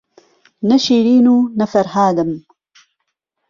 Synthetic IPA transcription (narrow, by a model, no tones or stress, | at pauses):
nɐʃiːɾiːnuːnɐfɐɾhaːd̪ɨm